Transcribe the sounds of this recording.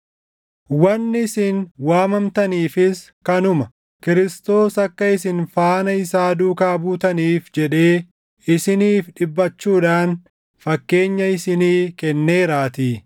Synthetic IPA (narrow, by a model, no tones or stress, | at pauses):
wɐnːɪsɪnwaːmɐmt̪ɐniːfɪs | kɐnʊmɐ | kɪɾɪst̪o̞ːsɐkːɐɪsɪnfaːnɐɪsaːd̪uːkaːbuːt̪ɐniːfd͡ʒɛᶑe̞ː | ɪsɪniːfᶑɪbːɐt͡ʃːuːᶑaːn | fɐkːe̞ːɲːɐɪsɪniːkɛnːeːɾaːt̪iː